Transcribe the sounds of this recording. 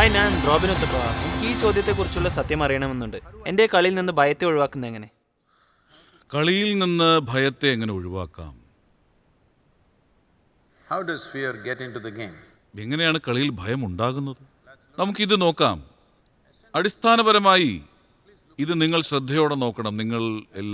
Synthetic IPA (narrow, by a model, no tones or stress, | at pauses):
aːjnaːɳɳd̪ro̞ːbinot̪ːɐpːonɐmukːiːt͡ɕo̞ːd̪ʱjɐt̪ːe̞kːurit͡ɕːuɭːɐsɐt̪jɐmɐrijɐɳɐme̞nːuɳɖɨe̞nde̞kɐɭijilninːɨbʱɐjɐt̪ːe̞oɻuʋaːkːunːɐeŋːɐne̞ | kɐɭijilninːɨbʱɐjɐt̪ːe̞ːŋːɐne̞oɻuʋa̰ːkːa̰ːm | hawɖɐz̥fiɾɡetɪ̃nʈuðəɡẽːm | eŋːɐne̞jaːɳɨkɐɭijilbʱɐjɐmuɳɖaːɣunːɐðɨ | nɐmukːɨiðɨno̞ːkːa̰ːm | ɐɽist̪ʰaːnɐβɐɾɐmaːji | iðɨniŋːɐɭɕrɨd̪ʱːɐjo̞ːɽe̞no̞ːkːɐɳɐmniŋːɐɭe̞̰lː